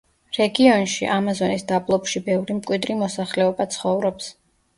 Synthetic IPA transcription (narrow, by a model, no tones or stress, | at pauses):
ɾɛɡiɔnʃḭʔamazɔnisd̪ablˠɔpʃibɛvɾimkʼwid̪ɾimɔsaχlɛɔbat̪sʰχɔvɾɔps